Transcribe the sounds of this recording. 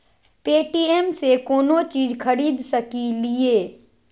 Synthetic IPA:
peːʈiːeːmsekoːnot͡ʃiːzkʰəɾiːd̪səkilɪeː

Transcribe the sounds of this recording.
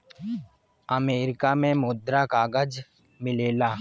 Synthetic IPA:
əmeːɾɪkamẽmʊd̪ɾakaːɡəd͡ʒ | mɪleːlaː

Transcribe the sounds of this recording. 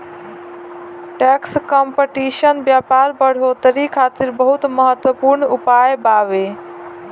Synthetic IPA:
ʈɛkskɔmpəʈiʃənbjaːpaːɾbəɽ̤ot̪əɾikʰaːt̪iɾbəɦut̪məɦət̪wəpuɾɳupajbaːʋe

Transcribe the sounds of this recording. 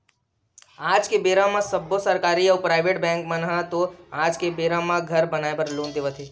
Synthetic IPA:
aːd͡ʒkebeɾãmãsəbːosəɾkaːɾiəʋpɾaːɪʋeʈbɛ̃ːŋk̚mənɦãt̪oad͡ʒkebeɾamãɡʱəɾbənaebəɾlõnd̪eʋət̪ʰe

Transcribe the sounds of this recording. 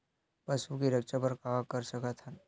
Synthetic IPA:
pəsukiɾəkt͡ʃapəɾkaakəɾsəkət̪ʰan

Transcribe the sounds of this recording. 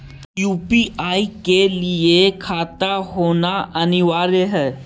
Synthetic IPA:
jupiʔaikeliekʰat̪ahonaʔaniʋaɾeɦə

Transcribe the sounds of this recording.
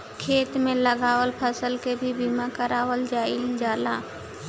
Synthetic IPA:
kʰeːt̪mẽləɡaːwəlpʰəsəlkebʱibiːmakəɾaːwəld͡ʒaːɪld͡ʒaːlaː

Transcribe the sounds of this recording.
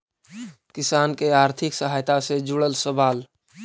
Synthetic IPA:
kisankeaɾt̪ʰiksəɦajt̪ased͡ʒuɽəlsəbaːl

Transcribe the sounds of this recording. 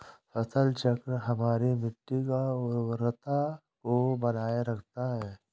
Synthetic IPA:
sɐt̪ʰəlt͡ʃɐkɾɦɐmaːɾimɪʈːikaɔɾɾət̪a | kobɐnaːjaɾɐkʰt̪aɦɛː

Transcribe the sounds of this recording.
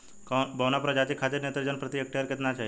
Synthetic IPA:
kbəʋnapɾəd͡ʒat̪ikʰːat̪iɾnet̪ɾd͡ʒənpɾət̪ijək̚ʈəɾket̪nat͡ʃʰa

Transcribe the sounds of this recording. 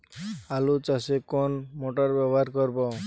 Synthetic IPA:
alut͡ʃasekɔnmoʈaɾbɛbɔɦaɾkɔɾbɔ

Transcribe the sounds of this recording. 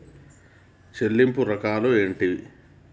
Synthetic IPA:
t͡ʃelːimpuɾɐkaːlue̞ːɳʈi

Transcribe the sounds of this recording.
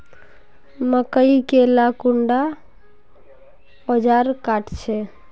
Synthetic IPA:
məkəikelakuɳɖa | od͡ʒaɾkaʈt͡ʃʰɛ

